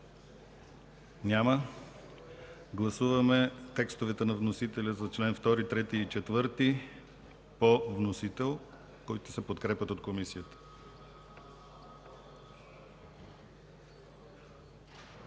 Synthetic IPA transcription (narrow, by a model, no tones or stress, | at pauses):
nʲamə | ɡlˠɐsuvɐmɛt̪ɛkst̪ovɛt̪ɛnɐvnosit̪ɛlʲəzɐt͡ʃlɛnft̪ɔɾit̪ɾɛt̪iːt͡ʃɛt̪vɤɾt̪i | povnosit̪ɛlˠ | kɔjt̪ʊ̥sɛpot̪kɾɛpʲət̪ot̪komisijət̪ə̥